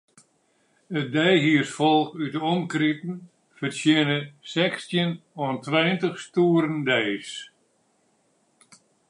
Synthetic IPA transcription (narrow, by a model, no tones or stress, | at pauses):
ət̚dɛjɦiərsfɔlˠkytəɔmkritn̩ | fərsjɪnəsɛkstjənɔntʋɛjəntəχstuːəɾəndɛjs